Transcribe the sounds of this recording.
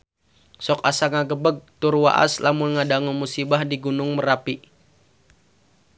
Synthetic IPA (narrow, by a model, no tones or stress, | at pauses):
sɔkasaŋaɡəbəɡ̚t̪ʊrwa̰ʔa̰slamʊnŋadaŋumusibahdiɡunʊŋmərapi